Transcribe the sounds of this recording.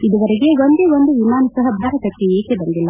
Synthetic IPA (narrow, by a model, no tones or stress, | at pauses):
id̪uʋɐɾeɡeond̪eʋond̪uʋimaːnusɐɦɐbʱaːɾɐt̪ɐkːeeːkebɐnd̪ilːɐ